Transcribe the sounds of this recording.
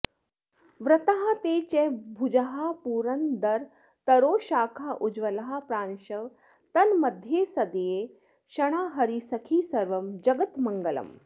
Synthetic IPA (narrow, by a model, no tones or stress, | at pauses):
ʋɾɐt̪ɐɦɐt̪eːt͡ʃebʱud͡ʒɐɦapuːɾɐnd̪ɐɾ | t̪ɐɾoːʃaːkʰaʔud͡ʒʋɐlɐɦɐ̆pɾaːnʃɐʋ | t̪ɐnmɐd̪ʱjeːsɐd̪ijeː | ʃɐɽ̃aːɦɐɾisɐkʰiːsɐɾʋɐmd͡ʒɐɡɐt̪mɐŋɡɐlɐ̰m